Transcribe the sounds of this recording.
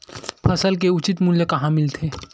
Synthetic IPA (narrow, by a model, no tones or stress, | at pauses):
pʰɐsəlk̬eʊt͡ʃɪt̪muljəkɐɦãmɪlt̪ʰeː